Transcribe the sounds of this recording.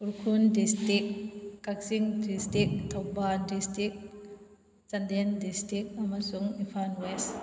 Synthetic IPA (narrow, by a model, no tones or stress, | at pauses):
uɾkʰundistik̚kːak̚siŋdistik̚t̪ʰawbandistɾik̚ | t͡ʃɐndendistik̚amasuŋipʰanwes